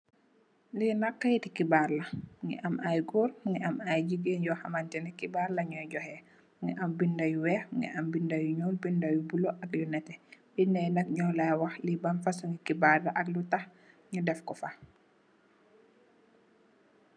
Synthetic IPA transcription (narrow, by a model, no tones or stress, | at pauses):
linakːajtikibaɾlɐŋɛ̰ʔamʔajɡuːɾŋɡɛamajd͡ʒiɡeɲɟɔxamantɛnɛkibaɾlɐɲɔjɟɔhɛ | ŋɡɛʔambindajuwɛŋɡɛ̰ʔambindajuɲɔlbindajubuloʔakjunɛtɛbindajnak̚ɲɔlawaxlibanfasuŋɡikibaɾlaʔɐk̚lutax | ɲudɛfkɔfa